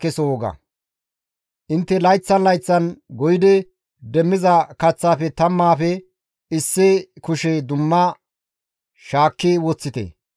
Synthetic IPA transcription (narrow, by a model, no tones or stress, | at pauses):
kːɛsoɔɡɐ̰ | ʔɪnt̪ːɛlɐjt͡sːɐnlɐjt͡sːɐnɡɔjɪd̪ɛ | d̪ɛmːɪzɐkɐt͡sːaːfɛt̪ɐmːaːfɛ | ɪsːɪkʊʃɛd̪ʊmːɐ | ʃaːkːɪwɔt͡sːɪt̪ḛ